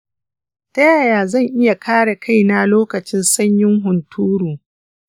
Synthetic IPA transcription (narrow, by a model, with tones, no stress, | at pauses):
tɐ˦jaː˦˨jaː˨zɐ˦˨ŋʔɪ˦ja˨kʰaː˦ɽe˨ka˦˨jna˨loː˦kɐ˨t͡ʃɪ˦nsɐ˦ɲjɪ˦ŋɦʊ˨ntʰuː˦ɽuː˨